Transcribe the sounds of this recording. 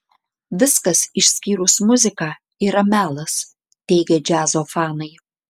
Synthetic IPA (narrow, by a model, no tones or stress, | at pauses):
ʋʲɪskɐsɪʃʲsʲkʲiːɾʊsmʊzʲɪkɑː | iːɾɐmʲæːlˠɐs | t̪ʲɛɪɡʲed͡ʒʲæːzoːfɑːnɐɪ